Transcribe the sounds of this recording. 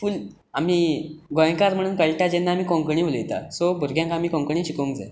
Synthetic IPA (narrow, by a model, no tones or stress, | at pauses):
fuːl | am̤iːɡɔ̃j̃kaɾm̤əɽ̃uːnkəɭʈad͡ʑenːaːmiːkɔ̃ŋkəɳ̃ĩʋoljet̪a̰sobʱuɾɡʱjãŋkaamiːkɔ̃ŋkəɳ̃ĩːɕikõŋkd͡zḛ